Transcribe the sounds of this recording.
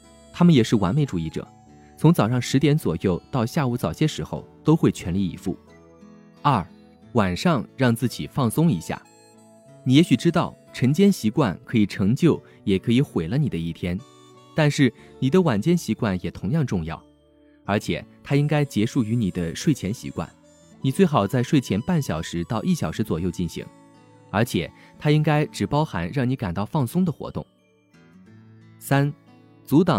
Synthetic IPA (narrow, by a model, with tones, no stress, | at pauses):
t̪ʰa˥mə˨njɛ˨˩ʂɻ̩˥˩wa̰˧˥nme˧˥ɪʈ͡ʂu˨˩i˥˩ʈ͡ʂɤ̰˨˩˦ | t͡sʰʊ˧˥ŋt͡sɑ˨˩ʊʂɑ˥˩ŋʂɻ̩˧˥t̪jɛ˧˥nt͡swɔ̰˨˩jo˥˧ʊt̪ɑ˥˧ʊɕja˥˧u˧˥˩t͡sɑ˨˩ʊɕjɛ˥ʂɻ̩˧˥xo̰˥˧ʊt̪o˥ʊxwe˥˩ɪt͡ɕʰɥɛ˧˥nli˥˩ḭ˧˥fṵ˥˩ | ɐ˞˥˩ | wa˨˩nʂɑ˥˧ŋɻɑ˥˧ŋt͡sɹ̩˥˩t͡ɕi˨˩fɑ˥˩ŋsʊ˥ŋi˧˥ɕja̰˥˩ | ni˨˩jɛ˧˥ɕy˨˩ʈ͡ʂɻ̩˥t̪ɑ˥˩ʊ | ʈ͡ʂʰə˧˥nt͡ɕjɛ˥nɕi˧˥kwa̰˥˩nkʰɤ˧˥i˨˩ʈ͡ʂʰɤ˧˥ŋt͡ɕjo˥˩ʊ | jɛ˨˩kʰɤ˧˥i˧˥xwe˨˩ɪlə˦ni˨˩d̪ə˦i˥˩t̪ʰjɛ˥n | t̪a˥˧nʂɻ̩˥˩ | ni˨˩d̪ə˦wa˨˩nt͡ɕjɛ˥˩nɕi˧˥kwa˥˩njɛ˨˩t̪ʰʊ˧˥ŋjɑ˥˧ŋʈ͡ʂʊ˥˧ŋjɑ̰˥˩ʊ | ə˞˧˥t͡ɕʰjɛ̰˨˩t̪ʰa˥i˥ŋka˥ɪt͡ɕjɛ˧˥ʂu˥˩y˧˥ni˨˩d̪ə˦ʂwe˥˩ɪt͡ɕʰjɛ˧˥nɕḭ˧˥kwa̰˥˩n | ni˨˩t͡swe˥˩ɪxɑ˨˩ʊt͡sa˥˧ɪʂwe˥˩ɪt͡ɕʰjɛ˧˥npa˥˩nɕjɑ˨˩ʊʂɻ̩˧˥t̪ɑ˥˧ʊʔi˥˩ɕjɑ˨˩ʂɻ̩˧˥t͡swɔ˨˩jo˥˧ʊt͡ɕi˥˩nɕḭ˧˥ŋ | ə˞˧˥t͡ɕʰjɛ̰˨˩t̪ʰa˥i˥ŋka˥ɪʈ͡ʂɻ̩˨˩pɑ˥ʊxa̰˧˥nɻɑ˥˩ŋni˧˥ka˨˩nt̪ɑ˥˧ʊfɑ˥˩ŋsʊ˥ŋd̪ə˨xwɔ̰˧˥t̪ʊ̰˥˩ŋ | sa˥n | t͡su˧˥t̪ɑ˨˩ŋ